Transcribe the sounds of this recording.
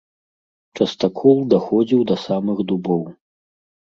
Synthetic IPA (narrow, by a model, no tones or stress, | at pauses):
t͡ʂɐst̪akʰɔlˠd̪axɔd͡zʲiwd̪ɐsamɨxd̪ubɔw